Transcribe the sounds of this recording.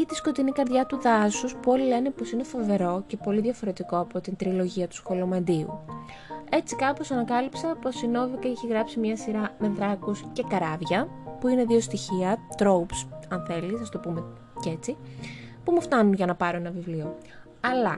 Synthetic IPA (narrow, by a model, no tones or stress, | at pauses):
it̪isko̞t̪inikɐɾðʝɐt̪uðɐsuspuo̞lile̞nepo̞sine̞fo̞ve̞ɾo̞ce̞po̞liðʝɐfo̞ɾe̞t̪iko̞ɐpo̞t̪int̪ɾilo̞ʝiɐt̪u̥sxo̞lo̞mɐnd̪iṵ | e̞t͡sikɐpo̞sɐnɐkɐlipsɐpo̞sino̞vikɐeçiɣɾɐpsimɲɐsiɾɐme̞ðɾɐkusce̞kɐɾɐvʝɐpuine̞ðio̞st̪içiɐt̪ɾo̞upsɐnθe̞lisɐst̪o̞pume̞ | ce̞t͡sipumoft̪ɐnunʝɐnɐpɐɾoe̞nɐvivlio̞ | ɐlɐ